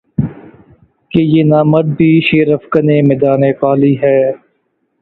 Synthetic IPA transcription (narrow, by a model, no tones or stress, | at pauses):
kejeːnaːməɖ̪̚bʱiːʃeːɾəfkəneːmed̪aːneːkaːliːɦɛː